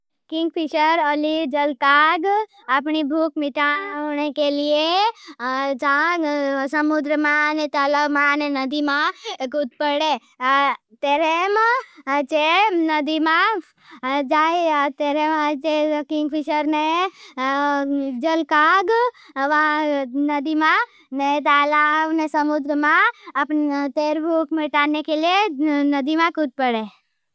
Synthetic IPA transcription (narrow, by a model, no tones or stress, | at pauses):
kiŋɡ̚pʰiʃəɾəlid͡ʒəlkaɡ | apnibʱuk̚miʈanekelie | t͡ʃã | səmud̪ɾəmanet̪aləmãnenəd̪imakut̪̚pəɽe | t̪eɾem | t͡ʃenəd̪imã | d͡ʒaet̪eɾemt͡ʃekiŋɡpʰiʃəɾne | d͡ʒəlkaɡ | ʋãnəd̪imã | net̪alaʋnesəmud̪ɾəmãpt̪eɾbʱukmeʈanekelienəd̪imãkut̪̚pəɽe